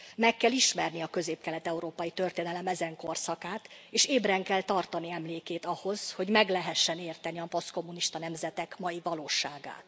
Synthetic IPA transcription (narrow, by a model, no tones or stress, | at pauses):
mɛkːɛliʃmɛrniɒkø̞zeːpkɛlɛt̪ɛuɾoːpɒjit̪ø̞rt̪eːnɛlɛmɛzɛŋko̞rsɒkaːt̪eːʃeːbrɛŋkɛlt̪ɒrt̪ɒniɛmleːkeːt̪ɒho̞z̥ho̞ɟmɛɡlɛɦɛʃːɛneːrt̪ɛniɒpo̞sko̞mːuniʃt̪ɒnɛmzɛt̪ɛkmɒjivɒloːʃaːɡa̰ːt̪